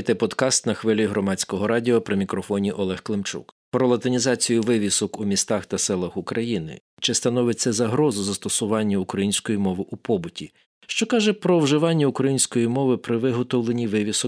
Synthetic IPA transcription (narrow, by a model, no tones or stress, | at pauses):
jt̪ɛpɔd̪kɑst̪nɐxʋɪlʲiɦɾɔmɑt͡sʲkɔɦɔɾɑdʲiɔpɾɪmʲikɾɔfɔnʲiʔɔlˠɛxklˠɪmt͡ʃṵkpɾɔlˠɐt̪ɪnʲizɑt͡sʲijʊʋɪʋʲisɔkumʲist̪ɑxt̪ɐsɛlˠɐxʊkɾʔɐjinɪ̰ | t͡ʃɪst̪ɐnɔʋɪt͡sʲːɐzɐɦɾɔzʊzɐst̪ɔsʊʋɑnʲːɐukɾɐjinʲsʲkɔjimɔʋɪʔupɔbʊtʲi | ʃt͡ʃɔkɑʒɛpɾɔwʒɪʋɑnʲːɐukɾɐjinʲsʲkɔjimɔʋɪpɾɪʋɪɦɔt̪ɔwlˠenʲiʋɪʋʲisɔ